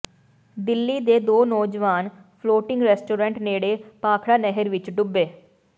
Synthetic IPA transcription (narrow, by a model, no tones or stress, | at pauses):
d̪ɪlːiːd̪eːd̪oːnɔːd͡ʒʋaːn | pʰloːʈɪ̃ŋɡɾɛːsʈoːɾɛ̃ɳʈneːɽeːpaːkʰɽaːnɛɦəɾʋɪt͡ʃɖʊbːeː